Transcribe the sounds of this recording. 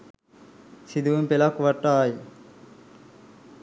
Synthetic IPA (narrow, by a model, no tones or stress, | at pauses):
sid̪uumpelakuʋɐʈːaːji